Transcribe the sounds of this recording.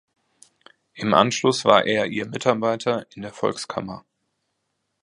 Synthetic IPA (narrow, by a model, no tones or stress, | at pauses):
ʔɪmʔa̰nʃlʊsv̥a̰ːɐʔeːɐʔiːɐmɪtaɐbaɪtʰɐɪndeːɐfɔ̰lkskʰa̰mɐ